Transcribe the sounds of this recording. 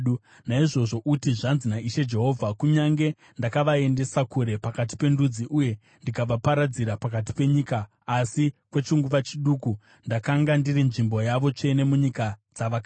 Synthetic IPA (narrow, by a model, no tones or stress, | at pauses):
u | naiʐo̞ʐo̞ʔutiʐanzinaiʃe̞d͡ʒe̞ɦo̞ːvʱakuɲaŋɡe̞ | ndakaʋae̞nde̞sakuɾe̞pakat̬i̥pe̞ndud͡ziʔuje̞ | ndikaʋapaɾad͡ziɾapakat̬i̥pe̞ɲiːkaː | sikwet͡ʃiŋɡuʋat͡ʃiɗuːku | ndakaŋɡandirinʐimbo̞jaʋo̞t͡ʃe̞ne̞muɲikad͡zaʋaka